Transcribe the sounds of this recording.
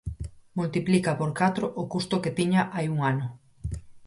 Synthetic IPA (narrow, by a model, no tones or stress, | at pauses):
mult̪iplikapoɾkat̪ɾoʔokust̪ʊket̪iɲaʔajuŋanʊ